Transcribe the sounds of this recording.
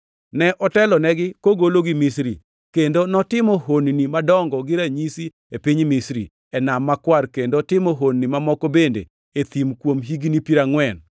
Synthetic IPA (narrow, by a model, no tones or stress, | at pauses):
nɛʔɔtɛlɔnɛɡɪkoɡoloɡɪmisɾi | kendonɔtɪmɔɦonnimadɔŋɡɔɡɪɾaɲisi | epiɲmisɾḭ | ɛnamːakwarkendotɪmɔɦonnimamɔkɔbendḛ | et̪imkwomɦiɡnipiɾaŋwɛn